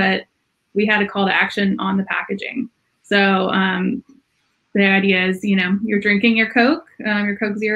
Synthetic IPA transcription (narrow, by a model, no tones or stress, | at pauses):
bʌt̚ | wiɨd̚tɨkʰɔlˠðiækʃɨ̃nə̃nðɨpʰæ̰kɨd͡ʒɪ̰̃ŋ | soʊʌ̃m | ðiaɪdiɨɪzjɨñoʊjə˞dɹɪ̃ŋkɪ̃ŋjə˞kʰoʊkʌ̃mjə˞kʰoʊkzə